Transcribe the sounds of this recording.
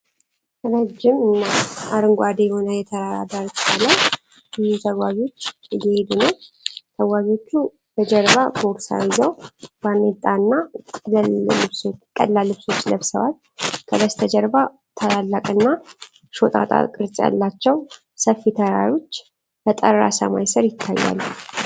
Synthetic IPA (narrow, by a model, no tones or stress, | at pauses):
əɾəd͡ʒːɪmɨnːaʔaɾɨŋɡʷad̪ejɛho̞nəjɛt̪ʰəɾaɾa̰b̪aɾt̪ʰalaw | bɪzut̪ʰəwwaβio̞t͡ʃːɨjːɛhe̞d̪unəw | t̪ʰəwaɡo̞t͡ʃːu | t̪əd͡ʒəɾβaboɾsa̰jzəwbanːet̪ʼːaɨnːa | ɨskʼə̰lːalɨβso̞t͡ʃːləβsəβat̪ | kʰəd̪əst̪ʰəd͡ʒəɾba | t̪ʰəlalːakʼɨnːa | ʃo̞t̪ʼa̰t̪ʼa̰kʼɨɾt͡sʼja̰lːat͡ʃːɛw | səfːit̪ʰəɾa̰ɾo̞t͡ʃː | bət̪ʼəɾːa̰sə̰ma̰jsɨɾjɪt̪ʰːa̰jːa̰lː